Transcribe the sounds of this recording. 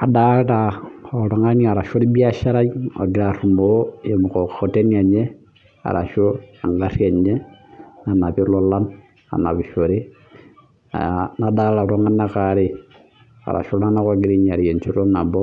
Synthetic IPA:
a˨da˦ɾa˨o˨ɾo˦ŋa˦ɲ˨a˨ɾa˨ʃo˦ɾi˦bi˦a˦ʃa˦ɾa˦jo̰˨ɡi˨ɾa˨ɾu˨mo˨o˦je˨mu˨ko˨ko˨te˦n˦a˨ɲe˦ | a̰˨ɾa̰˨ʃo˦a˨ŋɡa˦ri˦a˨ɲe˦na˨na˨pi˦lo˦la˦n | a̰˨na˨bi˨ʃo˨ɾi˦ | a̰˨ana˦da˦a˨ɾo˦ŋa˦na˦ka˨ɾi˦ | a̰˨ɾa̰˨ʃo˦la˦na˦ko˦ɡi˦ɾi˦ɲ˨a˨ɾje˨nt͡ʃi˦ɾo˦na˨bo˦

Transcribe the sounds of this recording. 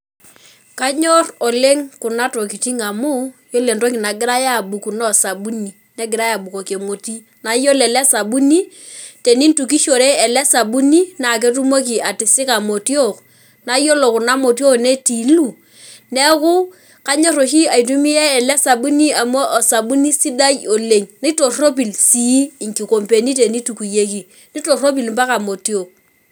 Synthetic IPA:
ka˦ɲo˦rɔ˨le˦ŋkʊ˨na˦to˨ki˨ti˦ŋa˨mu˦jo˦le˨nto˦ki˨na˨ɡɪ˦ɾa˦ja˦˨bu˨ku˨nɔ˦˨sa˨bu˦ni˨ | nɛ˦ɡɪ˨ɾa˦ja˨bu˨ko˨ke˨mo˨ti˦ | na˨˦jo˦lɛ˨lɛ˦sa˨bu˦ni˦ | te˨ni˦n˦tu˨k̬i˦ʃo˨ɾe˦ɛ˨lɛ˦sa˨ɓu˦ni˦na˨k̬e˦tu˦mo˦k̬i˨a˨tɪ˨sɪ˦ka˨mo˨ti˦o˦˨k | na˨˦jo˦lo˨kʊ˨na˦mo˨ti˦o˦kne˦ti˨˦lu˦˨ | nɛ˦kʊ˦ | ka˦ɲo˦ɾo˨ʃi˦a˨i˨t̬u˦mi˦ɛ˦ɛ˨lɛ˦sa˨ɓu˦ni˦a˨mo˦ʔɔ˨sa˨bu˦ni˦si˦da˦jo˨le˨ŋni˦to˨ro˦p̬i˨lsi˦˨ŋki˨ko˨mpe˨ni˦t̬e˨ni˦tu˨ku˨je˦ki˨ | ni˦to˨ro˦p̬i˨lmpa˦ka˨mo˨ti˦o˨k̚

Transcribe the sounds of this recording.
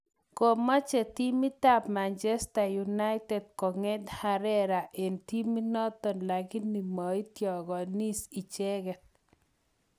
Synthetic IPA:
ko˨mɔ˦t͡ʃe˨t̪i˦mi˦t̪a˦pma˨nt͡ʃɛ˦sta˨ju˨na˦ɪtɛ˨d̚kɔ˨ŋɛ˦d̪ha˨ɾɛ˦ɾa˨ʔe˨nt̪i˦mi˦nɔ˦t̪ɔ˨nla˨ɡɪ˦ni˨mɔ˨i˦t̪jɔ˨ɡɔ˨ni˦si˨t͡ʃɛ˦ɡɛ˨t̚

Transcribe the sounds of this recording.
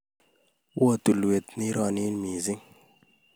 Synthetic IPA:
wʔo˦˨t̪u˨lwe˨t̪ni˦ɾɔ˨ni˦nmi˨zi˦ŋ

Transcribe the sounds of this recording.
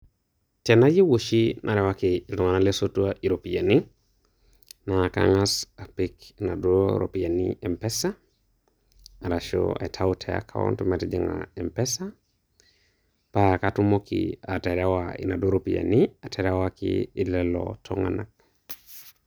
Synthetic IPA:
te˨na˦ji˦wo˨ʃi˦nʔa˨ɾe˨wa˦kiː˨lu˨ŋa˨na˦le˦so˦tu˦aʔi˨ɾo˨pi˨ja˨ni˦ | na˨ka̰ŋasa˨pikina˨doɾo˨pi˨ja˨nie˨mpesa˦ | a˨ɾaʃo̰a̰˨tʰa˦utʰea̰˦kʰa̰˦wo̰˦ntumetid͡ʒiŋa̰e˨mpe˦sa | paakatu˦mo˦kḭa˨te˨ɾawaḭ˨na˨do˦ɾopija̰˨nia˨tʰe˨ɾawakḭː˨lelo̰tʰo˦ŋa̰˨na˨k̚

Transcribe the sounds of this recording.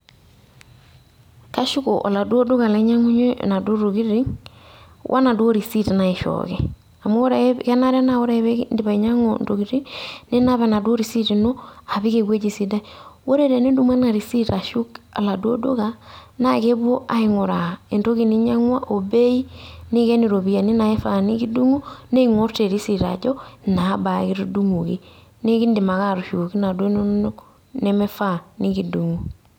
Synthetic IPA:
ka˦ʃu˦ko̰˨ʔɔ̰˨la˨du˦o˦do˦ɣa˨la˨˦ɲa˦ŋu˦ɲo̰˦na˨do˦ɾo˨ki˦ɾi˦ŋ | wʔa̰˦na˨du˦o˦ɾi˨si˦˨tna˨i˨ʃɔ̰kɛ˦ | a˨mo˦o˦ɾa˨˦kɛ˦na˦ɾa˦na˦˨o˦ɾa˦e˦βɛ˦ndi˦βa˨i˨ɲa˦ŋo̰˨ndo˨ɡi˨ɾi˦ne˦na˦βɛ˨na˨do˦ɾi˨si˦ti˨no˦a˨βi˦ke˨kwe˦d͡ʒi˨si˨da˦wo˦ɾe˦ɾe˨ne˦du˦mwa˦na˨ɾi˨si˦ta˨ʃu˦ka̰˨la˨dwo̰˦do˦ɣana˦ke˦βwo˦ʔa˨˦iŋo˨ɾa˨e˨nto˦ki˦ni˦ɲa˦ŋwa˦ʔo˨be˦i˦ni˦ke˦ni˨ɾo˨βi˦a˨ne˦na˨e˦fani˦ki˦du˦ŋu˦ne˦iŋo˦ɾte˨ɾi˦si˨ɾa̰˨d͡ʒo˦na˨˦ba˨ki˦ɾu˦du˦ŋu˨kḭ˦ | ne˦ki˦ndi˨ma˨ɣa˦ɾu˨ʃu˨ki˦na˨dwe˦no˦ | ne˦me˦fa˦ni˦ki˨du˨ŋu˨

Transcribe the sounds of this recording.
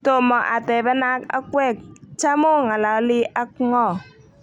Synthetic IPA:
to˨mɔ˨ʔa˨tɛ˨bɛ˦na˦ka̰˦kwɛ˦˨k̚t͡ʃa˦mo˦ŋa˨la˨˦lɪ˦ʔa˦kŋɔ˦˨

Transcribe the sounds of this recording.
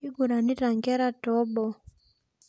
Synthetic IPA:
i˦ɡu˨ɾa˨ni˦ɾa˨ŋɡɛ˦ɾa˦tɔ˨˦ɓɔ˦

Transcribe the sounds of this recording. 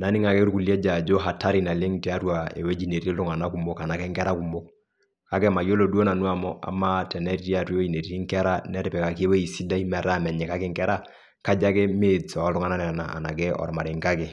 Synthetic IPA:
na˨˦nɪ˦ŋa˨kɛ˦ɾku˨li˦ɛ˦d͡ʒa˨d͡ʒo˦ɦa˨ta˦ɾi˨na˨le˦ŋti˦a˦twa˨ḛ˨we˦d͡ʒi˨ne˨ti˦lʊ˦ŋa˨na˦ku˨mo˦ka˨na˨kɛ˦ŋkɛ˦ɾa˦ku˨mo˦k̚ | ka˦kɛ˦ma˨jo˦lo˦du˦o˦na˨nu˦a˦mɔ˦ʔa̰˨ma˦tɛ˨nɛ˦ɾi˦ti˦a˦te˦we˦d͡ʒi˨ne˨ti˦i˦ŋkɛ˦ɾa˦nɛ˦ɾpɛ˨ka˨ki˦e˦we˦i˨si˦da˦i˦mɛ˨ɾa˦mɛ˨ɲɛ˨ka˦kɪ˦ŋkɛ˦ɾa˦ | ka˦d͡ʒa˦kɛ˦me˦sɔ˨ɔ˦lʊ˦ŋa˦na˦nɛ˨na˨a̰˨na˨kɛ˦ɔ̰˨ɾma˨ɾi˨ŋka˦kɛ˨

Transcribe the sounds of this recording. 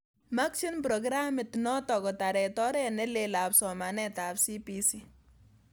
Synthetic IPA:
ma˦kʃi˦npɾɔ˨ɡɾa˦mɪ˨tnɔ˦tɔ˨kɔ˨ta˨ɾɛ˨tɔ˦ɾɛ˦nɛ˦lela˨psɔ˨ma˨nɛtapsi˦pisi˦

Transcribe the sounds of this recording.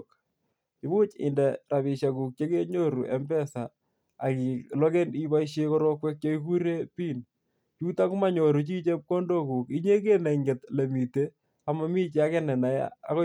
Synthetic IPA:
k | ki˦bu˦t͡ʃɪ̰˨ndɛ˨ra˨βi˨ʃa˨ku˨k̚t͡ʃe˦ke˦ɲo˦ɾu˨ʔɛ˦mbɛ˦saː˨ | ki˨lɔ˦ke˦ni˦ba˦iʃe˦kɔ˦ɾɔ˦kwɛ˦k̚t͡ʃo˦iku˦ɾe˦pi˦n | t͡ʃu˦ta˦ku˦ma˦ɲo˨ɾu˨t͡ʃi˦t͡ʃe˦p̚ko˦ndo˦ku˨ki˦ɲe˦k̬e˦ne˨ŋɡɪ˨tle˨mi˨te˦ | a˨ma˦mi˦t͡ʃe˨a˦kɛnɛ˨na˨j̰a̰˦ko

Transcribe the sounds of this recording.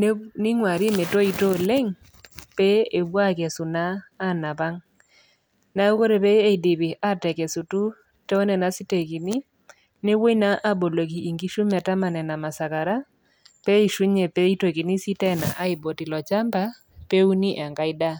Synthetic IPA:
nnɪ˦ŋwa˨ɾi˦me˨to˦i˨to˦le˦ŋ | pɛ˦e˨bwa˦kɛ˨su˨naː˦na˨pa˦ŋ | na˦u˦ko˦ɾe˨pɛ˦e˦˨i˨di˨bi˨ʔa˦tɛ˨kɛ˨su˨tu˦ | tɛ˦o˦nɛ˨na˨si˦te˨ki˨ni˦ | ne˦wo˦na˦ʔa˦bo˨lo˨k̬iː˨ŋɡi˦ʃu˦ma˨ta˦ma˨nɛ˨na˨ma˨sa˨ka˨ɾa˦ | pɛ˦i˨ʃu˦ɲe˨pe˦i˦to˨ki˨ni˦si˦tɛ˦na̰˨ʔa˦i˨bo˨ti˨lɔ˨t͡ʃa˦mba˦ | pe˦u˦ni˦ʔa˨ŋka˦i˦da˦

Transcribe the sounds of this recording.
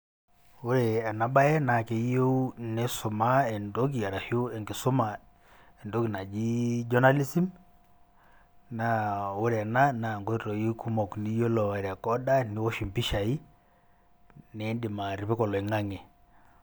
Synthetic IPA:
o˦ɾe˨a˨na˨ba˦jɛ˦na˨ke˨˦jo˦ne˦su˨ma˦ɛ˨ndo˦k̬i˨ja˨ɾa˨hu˦ɛ˨ŋɡi˨sʊ˦ma˨ | ɛ˨ndo˦kna˨d͡ʒi˦d͡ʒɔ˦na˦li˦si˦m | na˦o˦ɾe˨a˨na˦na˨ŋɡo˦ɾɔ˨ji˦ku˦mɔ˨kni˦jo˦lɔ˨a˨ɾɛ˨kɔ˦da˦ni˨˦wɔ˦ʃi˨mpi˦ʃa˨i˦ | ne˨˦ndi˨ma˨ɾi˨pi˦kɔ˨lɔ˨i˨ŋa˦ŋe˨

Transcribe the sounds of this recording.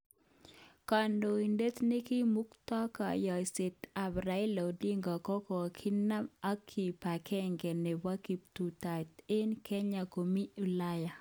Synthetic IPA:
ka˨ndo˨i˨nde˦t̪ne˦ki˦mu˦kt̪ɔ˦ka˨jɔ˨i˨se˨t̪a˨bɾa˨ɪ˦lɔ˨di˦ŋɡɔ˨kɔ˦kɔ˨kʰɪ˦na˦ma˦kʰːi˨pa˨kʰɛ˦ŋɡɛ˨nɛ˨wa˦ki˨p̚t̪u˨t̪a˨t̪ɪ˦nkɛ˦ɲa˨ko˨mi˦u˨la˦ja˨

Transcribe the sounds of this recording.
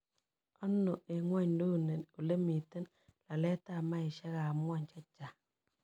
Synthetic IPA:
ɔ˦nːo˨ʔe˨ŋwa˦ɲdo˦˨ne˨no˨le˦mi˨te˦n | la˨lɛ˦ta˦˨ma˦ɪ˨ʃɛ˦ɣa˨m˦ɔ˦˨ɲt͡ʃa˦t͡ʃa˨

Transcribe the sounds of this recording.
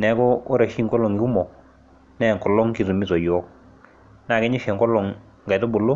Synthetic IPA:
nɛ˨˦kɔ˦o˦ɾa˨ʃi˦ŋkɔ˦lɔ˨ŋɡɪ˨u˦mɔ˨ | nɛ˦˨kɔ˨lɔ˦ŋki˨zu˨mi˦tɔ˨jɔ˦ | na˨kɪ˦ɲɪ˦ʃɛ˨ŋkɔ˦lɔ˨ŋ | ŋɡa˨to˦bʊ˨lo˦

